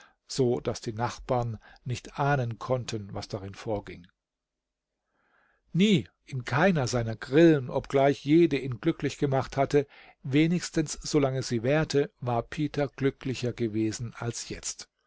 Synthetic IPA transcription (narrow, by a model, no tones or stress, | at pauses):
z̥oːd̥asd̥iːnaχb̥aːɐnːɪçtʔaːnənkʰɔntʰənvasd̥aʁɪnfoːɐɡɪŋ | niː | ʔɪnkʰaɪnɐzaɪnɐɡʁɪlənʔɔpɡ̥laɪçjeːdəʔiːnɡlʏklɪçɡ̥əmaχthatə | veːnɪçstən̩sz̥olaŋəsz̥iːvɛːɐtʰəvaːɐpʰiːtʰɐɡ̥lʏklɪçɐɡəveːzn̩alsjɛt͡st